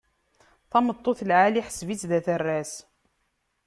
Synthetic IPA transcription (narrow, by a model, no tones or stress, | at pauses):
θɑmət̪ˤːoθlʕaliħə̥svit͡sðæθərːæs